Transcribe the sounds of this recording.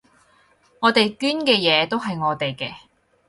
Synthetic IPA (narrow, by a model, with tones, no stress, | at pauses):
ŋɔː˨˧t̪e˨jkyː˥nkɛː˧jɛː˨˧t̪o˥wɦɐ˨jŋɔː˨˧t̪e˨jkɛː˧